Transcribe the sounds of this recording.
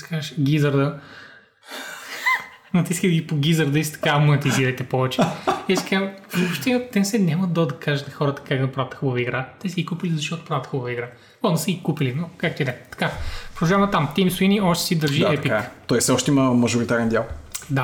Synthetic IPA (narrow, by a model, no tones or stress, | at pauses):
si̥kazəʃɡʲizəɾd̪ə | nɐt̪iskəd̪ɡipoɡʲizəɾd̪əisi̥t̪ɐ̥kamonit̪iziɾəjt̪ɛpɔvɛt͡ʃɛɛsi̥kamvopʃt̪ɛt̪ɛnsɛɲʲaməd̪ɐd̪ɐkaʒɐt̪nɐxɔɾət̪ə̥kakd̪ɐpɾavɐt̪ə̥xubəvəiɡɾat̪ɛsɛɡikupilizɐʃt̪ɔt̪ʊ̥pɾavɐt̪xubəvəiɡɾa | ɔnɐsɛɡʲikupilinokak̚t̪oid̪ɛt̪ɐ̥kapɾod̪ɐʒamɐt̪amt̪imsuiniɔʃt̪ɛ̥sid̪ɐɾʒiɛpikt̪ɔjssɛɔʃt̪ɛiməmɐʒʊɾit̪aɾɛnd̪ʲjalˠd̪a